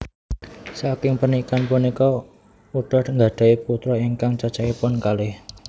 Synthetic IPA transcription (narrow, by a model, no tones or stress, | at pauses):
sakɪŋpənikanpunikɔ | uɖ̥ɔhŋɡaɖ̪̥a̤iput̪ɾɔiŋkaŋt͡ʃḁt͡ʃaipʊnkalɪh